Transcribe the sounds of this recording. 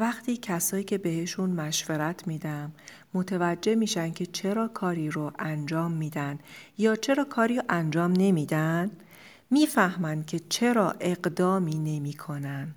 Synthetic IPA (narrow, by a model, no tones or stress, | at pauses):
væxt̪ʰiːcʰæsɒːjiːcʰe̞be̞he̞ʃunmæʃveɾæt̪ʰmiːd̪æmː | ot̪ʰevæd͡ʒːe̞miːʃænd̪̚cʰe̞t͡ʃʰe̞ɾɒːkʰɒːɾiːɾoʔænd͡ʒɒːmːiːd̪ænjɒːt͡ʃʰe̞ɾɒːkʰɒːɾiːɾʔænd͡ʒɒːmne̞miːd̪æn | miːfæhmænd̪̚cʰe̞t͡ʃʰe̞ɾɒːʔe̞ɢd̪ɒːmiːne̞miːkʰo̞næn̥